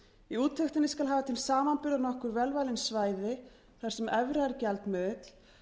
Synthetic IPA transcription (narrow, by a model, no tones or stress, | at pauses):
iuːt̪ʰːœxt̪ɪnɪskalɦaːvat̪ʰilsaːmanpʏɾðanɔhkʏɾvɛlvajlɪnsvaːjðɪ | θaɾsɛmɛvɾaɛɾcɛlt̪mʏt̪l̥